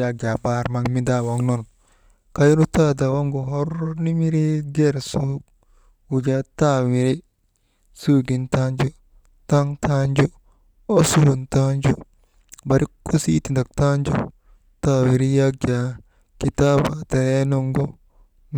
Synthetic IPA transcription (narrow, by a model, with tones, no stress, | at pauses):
ad͡ʒa˨ba˦ɾma˨ŋmi˦da˦wa˨ŋno˦n | ka˦jɾu˦ta˦da˨wa˦ŋɡo˨ɦo˦ɾni˦mi˦ɾi˦ɡe˦˨ɾsu˦ɡ | wu˨d͡ʒa˦ta˦wi˨ɾi˦ | su˦ɡi˨nta˦nd͡ʒo˦ | ta˦ŋtʰa˦nd͡ʒo˦ | o˦su˦hu˨nta˦nd͡ʒu˦ | ba˨ɾi˦kːu˦si˦ti˨nda˨k̚ta˦nd͡ʒo̰˦ | ta˦wi˨ɾi˦jaɡ̚d͡ʒa˨ | ki˦ta˦ba˨ta˨je˦no˦ŋɡo˦